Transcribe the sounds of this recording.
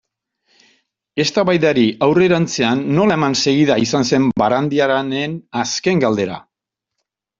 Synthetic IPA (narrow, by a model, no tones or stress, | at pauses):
e̞st̪aβajðaɾiawre̞ɾant͡se̞anːo̞lae̞manse̞ɣiðaisanse̞mbaɾand̪iaɾanenaske̞ŋɡald̪e̞ɾa̰